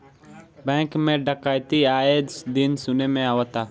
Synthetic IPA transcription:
bɛ̃ːŋkmẽːɖəkaːjt̪iaːed̪sd̪ɪnsʊneːmẽaːʋət̪aː

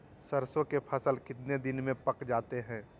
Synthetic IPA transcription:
səɾsõkepʰɐsəlkɪt̪ned̪ɪnmẽpɐkd͡ʒaːt̪eɦɛ̃ː

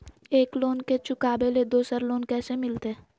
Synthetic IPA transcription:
eːkloːnket͡ʃʊkaːbeled̪oːsəɾloːnkɛːsemɪlt̪eː

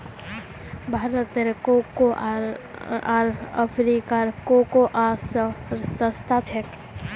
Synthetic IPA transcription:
bʱaɾət̪eɾkoko | aɾə̰pʰɾikaɾkokoʔasɾsəst̪ʰat͡ʃʰek

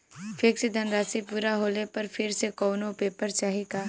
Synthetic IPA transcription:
fʰeksed̪ʱɐnɾaːsipuːɾaɦoːlepɐɾfʰɪɾsekɔːnõpeːpəɾt͡ʃaːɦikaː

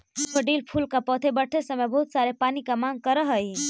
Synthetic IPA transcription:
kəɖiːlpʰuːlkapɔːt̪ʰebəɽʈʰesemẽbɐɦʊt̪saːɾepaːnikamãːŋɡ̚kəɾəɦəi

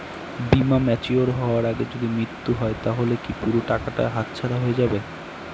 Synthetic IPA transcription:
bimamɛt͡ɕioɾɦɔoaɾaɡed͡ʑod̪imɾit̪ːuɦɔet̪aɦolekipuɾoʈakaʈa̰ɦat̪̚t͡ɕʰaɾaɦoed͡ʑabe

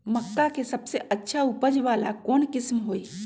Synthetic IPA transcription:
məkːakesəbseʔətːʃʰaupəd͡ʒʋaːla̰kɔːnkɪsmɦoːi

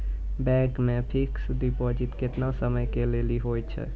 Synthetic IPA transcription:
bɛkmẽpʰiksd̪ipod͡ʒit̪ket̪nasəməjkeleliɦojt͡ʃʰɛ̰

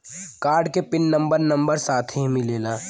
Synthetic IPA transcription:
kaːɾɖkepɪnːə̃mbəɾnɐ̃mbəɾsaːt̪ʰɦẽmɪleːlaː

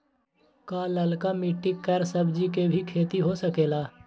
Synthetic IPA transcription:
kaləlkamɪʈːɪkːəɾsəbd͡ʒikebʱikʰeːt̪iɦosəkeːlaː

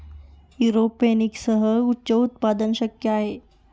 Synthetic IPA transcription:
juɾopeniksəɦəutːɕəut̪̚pad̪ənɕəkjəaɦe

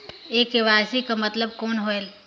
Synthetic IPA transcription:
eːkeʋaːsikamɐt̪ləb̚koːnɦoel

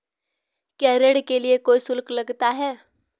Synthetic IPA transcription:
kɛɾeɽkeliekojsulkləɡt̪aɦɛ

